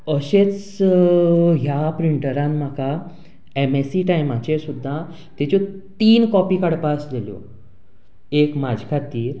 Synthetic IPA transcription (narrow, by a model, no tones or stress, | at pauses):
əɕet͡s | ɦjapɾiɳʈəɾãnmakʰa | emesiʈajmat͡ɕesud̪ʱːa | t̪et͡ɕot̪iːnkɔpiːkaɽpasd̪eljo̰ | ekmad͡zkʰat̪iːɾ